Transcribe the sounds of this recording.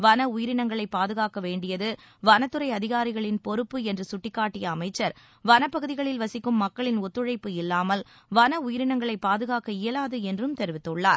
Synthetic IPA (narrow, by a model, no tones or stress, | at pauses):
ʋɐnɐʊjɪɾɪɳɐŋɡɐɭɐɪpːaːðɯɣaːkɐʋeːɳɖɪjɐðɯʋɐnɐt̪ːɯɾɐɪɐðɪɣaːɾɪɣɐɭɪnpɔɾɯpːɯɛndrɯsʊʈːɪkːaːʈːɪjɐːmɐɪt͡ʃːɐɾ | ʋɐnɐpːɐɣɯðɪɣɐɭɪlʋɐsɪkːɯmːɐkːɐɭɪnɔt̪ːɯɻɐɪpːɯɪlːaːmɐl | ʋɐnɐʊjɪɾɪɳɐŋɡɐɭɐɪpːaːðɯɣaːkɐɪjɐlaːðɯɛndrɯmt̪ɛɾɯʋɪt̪ːɯɭːa̰ːɾ